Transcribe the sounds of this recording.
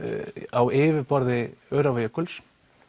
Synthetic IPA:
awɪːvɪpɔɾðɪœːɾavajakʏls

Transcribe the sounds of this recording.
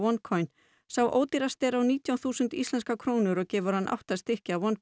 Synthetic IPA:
ɔnkʰɔjn | sawʔo̰ːwt̪iɾast̪ɛɾawniːt̪jawθuːsʏnt̪ḭst̪lɛnskakʰɾoːwnʏɾɔɣcɛːvʏɾ̥hanːʔa̰wht̪ast̪ɪhcɪavɔn

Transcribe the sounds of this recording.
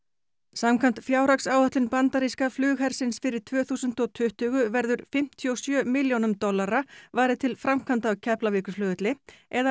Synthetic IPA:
samkʰant̪fjaːwɾaksaːwœht̪lʏnpant̪aɾiskaflʏːɣhɛɾ̥sɪnsfɪɾɪɾ̥t̪ʰv̥œːθuːsʏnt̪ɔɣt̪ʰʏht̪ʏɣʏvɛɾðʏɾfɪm̥t̪ʰiɔsjœːmɪljownʏmt̪ɔlːaɾavaːjɾɪt̪ʰɪlfɾamkʰant̪awcʰɛplavɪːkʏsflœːɣʏt̪lɪɛða

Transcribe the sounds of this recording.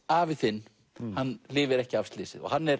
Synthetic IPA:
aːvɪðθɪnː | hanːlɪːvɪɾɛhcɪav̥st̪lɪːsɪðɔ̰ɣhanːɛɾ

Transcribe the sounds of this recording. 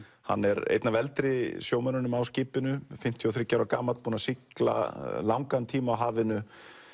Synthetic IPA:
ha̰nːɛɾḛːjt̪navɛlt̪ɾɪsjoːwmananʏmawscɪːpɪnʏfɪm̥t̪ʰjɔθɾɪcːawɾakaːmat̪puːnasikla̰lawŋkant̪ʰiːmaːwɦaːvɪnʏ

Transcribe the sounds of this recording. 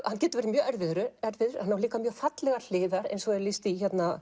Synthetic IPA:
hancɛːt̪ʏvɛːɾɪmjœːɛɾvɪðʏɾʏɛɾvɪðʏɾ̥hanːavliːkamjœːɣfat̪lɛɣaɾl̥ɪːðaɾɛ̰nsɔɛɾlist̪içɛt̪na

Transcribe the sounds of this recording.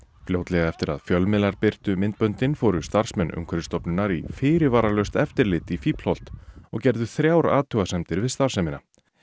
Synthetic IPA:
fljoːwt̪lɛɣaɛft̪ɪɾa̰ðfjœlmɪlaɾpɪr̥t̪ʏmɪnt̪̚pœnt̪ɪnfɔːɾʏst̪ar̥smɛnʔʏ̰ŋkʰɛɾɪst̪ɔpnʏnːaɾḭfɪːɾɪvaːɾalœɥst̪ɛft̪ɪɾlɪːt̪ifiːpl̥ɔwl̥t̪ɔɣcɛɾðʏθɾjawɾa̰ːt̪ʰʏːɣasɛmt̪ɪɾvɪðst̪aɾ̥sɛmɪna

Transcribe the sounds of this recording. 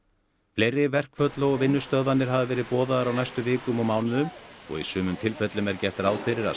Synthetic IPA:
fleːjɾːɪvɛr̥kfœt̪laɔɣvɪnːʏst̪œððanːɪɾ̥ɦavɪvɛːɾɪðpɔːðaðɾawnajst̪ʏvɪːkʏmɔmaːwnʏðʏmɔ̰ɣḭsʏːmʏmt̪ʰɪlfœt̪lʏmɛɾcɛht̪ɾaːwθɪɾɪɾa̰

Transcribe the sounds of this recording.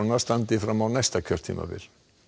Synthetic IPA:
nast̪ant̪ɪfɾamːawnajst̪acʰœr̥t̪ʰḭːma̰vɪ̰ɾ̥

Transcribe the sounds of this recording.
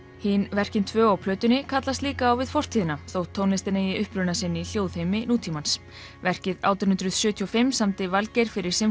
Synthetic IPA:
hinvɛr̥cɪnt̪ʰvœːawpʰlœːt̪ʏnːɪkʰat̪last̪liːkaːwvɪðfɔr̥t̪ʰiːðɪnaθowt̪ʰːownɪst̪ɪnejɪʔʏhpɾʏnasɪnːil̥joːwð̥hejmɪnuːt̪ʰimans | vɛr̥cɪða̰wt̪ʏnhʏnt̪ɾʏð̥sjʏːt̪ʰiɔfɪmːsamt̪ɪvalcɛjɾ̥fɪɾɪɾ̥sɪm

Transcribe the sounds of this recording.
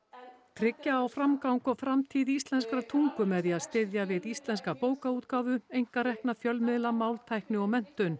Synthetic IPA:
t̪ʰɾɪcːaːwfɾamkawŋkɔfɾamt̪ʰiːðist̪lɛnskɾat̪ʰuŋkʏmɛðiaðst̪ɪðjavɪðist̪lɛnskapoːwkauːt̪kaːwvʏejŋ̥kaɾɛhknafjœlmɪðlamaːwlt̪ʰajhknɪɔɣmɛn̥t̪ʏn

